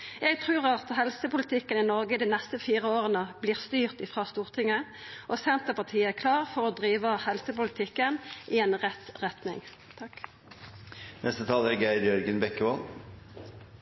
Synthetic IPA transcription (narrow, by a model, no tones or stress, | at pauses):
jɛɡt̪ʰʁʉːʁɑt̪hɛlsəpʊlət̪ʰɪkːənɪnɔʁɡəɪd̪iːnɛst̪əfiːʁəoːʁənəbliːʁst̪yːʁt̪ɪfʁɑːst̪uːʁt̪ʰɪŋːə | ʔosɛnt̪əpɑt̪ʰiːəækʰlɑːʁfɔʁod̪ʁiːʋəhɛlsəpʊlət̪ʰɪkːənʔɪeːnʁɛt̪ʁɛt̪nɪ̰ŋ | t̪ʰɑk | nʔɛst̪ət̪ʰɑːləɾɡæɪd̪jœɾɡənbɛkːəʋɔn